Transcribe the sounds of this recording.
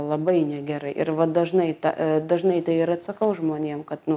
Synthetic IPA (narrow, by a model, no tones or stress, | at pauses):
lˠɐbɐɪnʲɛɡʲɛɾɐɪʔɪ̰ɾʋɐd̪ɐʒnɐɪt̪ɑ̰d̪ɐʒnɐɪt̪ɐɪɪɾɐt̪sɐkɐʊʒmoːnʲeːmkɐt̪nʊ